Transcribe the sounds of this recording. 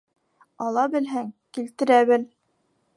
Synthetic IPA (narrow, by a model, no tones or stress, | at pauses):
ɑlˠɑbɘ̆lɦæŋkilt̪ɘ̆ɾæβɘl